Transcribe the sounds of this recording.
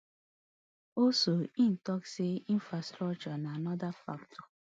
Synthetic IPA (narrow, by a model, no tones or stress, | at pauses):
osoin̩tɔkseĩn̩fɾastɾɔk̚t͡ʃɔnaanɔdafa̰ktɔ